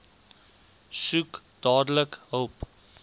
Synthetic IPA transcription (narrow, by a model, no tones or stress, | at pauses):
sukd̥ɑːdələkɦəlˠp